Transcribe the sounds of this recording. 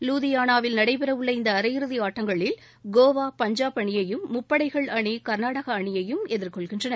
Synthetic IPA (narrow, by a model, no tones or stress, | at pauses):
luːðɪjaːnaːʋɪlnɐɽɐɪpɪɾɐʋʊɭːɐɪnd̪ɐːɾɐjɪɾɯðiaːʈːɐŋɡɐɭɪl | ɡoːʋaːpɐɲd͡ʒaːpɐɳɪjɐjɯmːʊpːɐɽɐɪɣɐɭɐɳikɐɾnaːɽɐɣɐːɳɪjɐjɯmɛðɪɾkɔɭɣɪndrɐnɐ